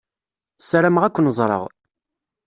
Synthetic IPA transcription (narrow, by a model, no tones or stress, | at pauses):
sːɾæmʁækʷːənzˤɾˤə̰ʁ